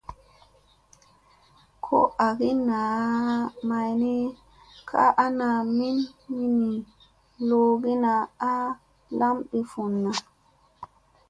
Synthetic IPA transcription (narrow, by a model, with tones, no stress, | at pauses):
kʰo̰˦ʔa˨ɡi˦na˨ | ma˨jni˦ | kʰa̰˦ʔa˦na˨mi˦nmi˦ni˨ | lo˦ɡi˦na˨a˦ | la˦mɗi˨fu˨nːa˨